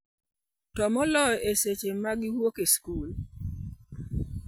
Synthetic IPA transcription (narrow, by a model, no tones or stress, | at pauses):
tɔmɔlɔjeset͡ʃemaɡɪwokeskul